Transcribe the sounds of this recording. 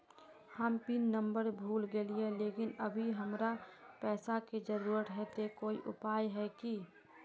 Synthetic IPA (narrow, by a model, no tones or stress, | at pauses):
həmpinːəmbəɾbʱuːlɡelieleːkɪnəbʱiɦəmɾapɛːsaked͡ʒəɾuːɾət̪ɦɛt̪ekoːiʔʊ̰paːjɦɛki